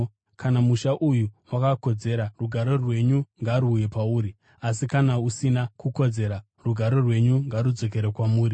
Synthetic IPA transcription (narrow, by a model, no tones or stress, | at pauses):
kanamuʃaʔujuwakako̞d͡ze̞ɾaruɡʱaɾo̞rwe̞ɲuŋɡaɾuːje̞pauːɾi | as̬ikanausinakuko̞d͡ze̞ɾa | ruɡʱaɾo̞rwe̞ɲuŋɡaɾud͡zo̞k̬e̞ɾekwamuːɾi